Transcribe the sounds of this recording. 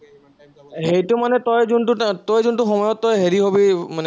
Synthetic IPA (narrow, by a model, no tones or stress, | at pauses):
hejtʊmanɛtɔjzuntʊtɔjzuntʊxɔmɔjɔtːɔjɦeɹiɦobimanɛ